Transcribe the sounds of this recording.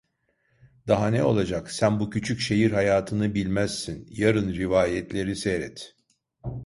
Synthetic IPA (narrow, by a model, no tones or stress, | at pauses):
d̪aɦanɛo̞lˠad͡ʒaksænbucʰyt͡ʃʰycʃe̞jiɾɦajaːt̪ʰɯnɯbilʲmæz̥sinjaɾɯnɾivaːjɛt̪ʰlʲe̞ɾiseɾɛt̪